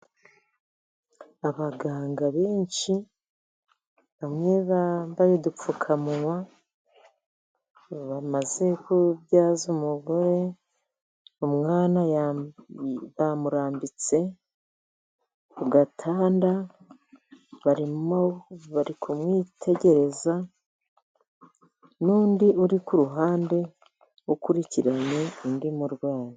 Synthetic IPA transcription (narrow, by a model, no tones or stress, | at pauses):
aβaɡaːŋɡaβeːɲʃi | βamŋe̞βambajedup͡fukʰamuŋwa | βamaze̞kuβjaːzumuɡoɾe̞ | umŋaːnaj | βamuɾaːmbit͡se̞ | kuɡatʰaːnda | βaɾioβaɾikʰumŋiːtʰe̞ɟe̞ɾe̞za | nuːndiʔuɾikuɾuɦaːnde̞ | ukuɾiciɾaɲe̞indimuɾɡwaːɲi